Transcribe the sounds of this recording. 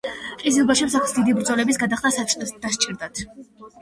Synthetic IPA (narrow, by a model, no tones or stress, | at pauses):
qʼizilˠbaʃɛpsakʰsd̪id̪ibɾd̪zɔlɛbisɡad̪aχt̪ad̪̥ast͡ʃʼiɾd̪at̪ʰ